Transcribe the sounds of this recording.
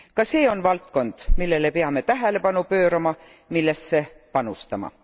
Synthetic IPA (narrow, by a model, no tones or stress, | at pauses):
kɑse̞ːo̞nvɑlt̪ko̞nd̪̥milːe̞lepeɑme̞t̪æɦele̞pɑnupø̞ːɾɑmɑ | milːe̞sse̞pɑnust̪ɑmɑ̰